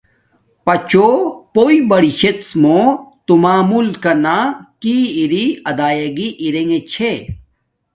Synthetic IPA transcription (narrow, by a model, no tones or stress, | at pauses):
pɐt͡ɕopoibɐɽiɕet̪smot̪umaːmulkɐnakiːɾiɐd̪aːjɐɡiʔiɾeŋet͡ɕʰe